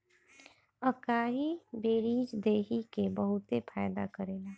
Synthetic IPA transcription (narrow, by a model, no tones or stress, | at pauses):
əkaːɦibeːɾiːd͡ʒd̪eːɦikebəɦʊt̪epʰaːjd̪a̰kəɾeːlaː